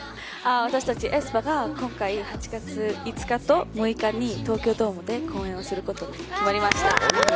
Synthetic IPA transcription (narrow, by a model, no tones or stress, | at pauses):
aβ̞at̪aɕi̥t̪at͡ɕiʔesɨ̥paɡakõ̞ŋkaihat͡ɕi̥ɡat͡sɨit͡sɨ̥kat̪o̞mɯ̟ikaɲ̟ːit̪o̞ːkʲoːd̪o̞ːmɯ̟d̪e̞kʰõ̞ːẽ̞ɰ̃o̞sɨɾɯ̟ko̞t̪o̞kimaɾʲimaɕi̥t̪a